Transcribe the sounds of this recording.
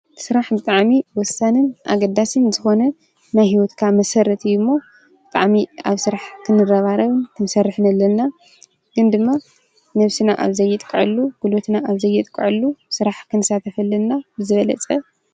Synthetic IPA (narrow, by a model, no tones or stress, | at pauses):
sɨɾaħbɨt̪ʼaʕmiwɔsanɨnʔa̰ɡɐd̪ːasɨnzɨxo̞nɐ | najhiwot̪kʰamɐsɐrɐt̪ʰɨjːumːo | bɨt̪ʼa̰ʕmiaβsɨɾaħkʰɨnɨrɐβaɾɐβɨnkʰɨnsɐrːɨħnɐlːɐnːa | ɡ̥ɨnd̪ɨmːa | nɐβsinaʔa̰βzɐjːɨt̪ʼkʼɨʕɨlːuɡ̥ulot̪naʔaβzɐjːɨt̪ʼkʼːɨʕɨlːusɨɾaħkʰɨnɨsat̪ʰɐfɐlːɐnnabɨzɨβɐlɐ̰t͡sʼɐ